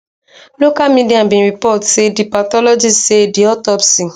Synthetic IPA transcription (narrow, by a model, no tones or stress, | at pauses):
lokamĩdiabĩɾipɔtedipatɔlod͡ʒisediɔtɔpsi